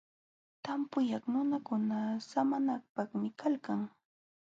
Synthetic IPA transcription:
t̪ampʊjaχnʊnakʊnasamanak̚paχmɪkʰalkaŋ

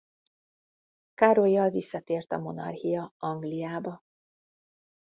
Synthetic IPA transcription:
kaɾojːɒlvisːɒt̪eːrt̪ɒmo̞nɒ̰rhijɒɒŋɡlijaːbɒ

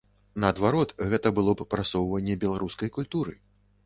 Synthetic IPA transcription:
nɐːd̪vaɾɔt̪ɣɛt̪ɐbɨlˠɔppɾasɔwvɐnʲːɛbʲɛlˠaɾuskɐjkulʲt̪uɾɨ

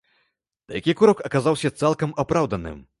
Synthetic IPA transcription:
d̪̥ɐjakʲikuɾɔkɐkazawsʲɐt̪salˠkɐmapɾawd̪ɐnɨ̰m

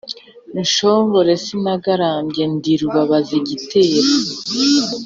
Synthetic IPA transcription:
nʃo̞ːmɡo̞ɾe̞sinaɡaɾaːmbɟe̞ndiɾuβaβaziɟitʰe̞ːɾo

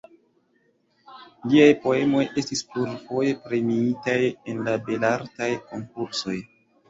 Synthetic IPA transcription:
liajpo̞e̞mo̞jʔe̞stispluɾfo̞je̞pɾe̞miitaje̞nlabe̞laɾtajko̞ŋkuɾso̞j

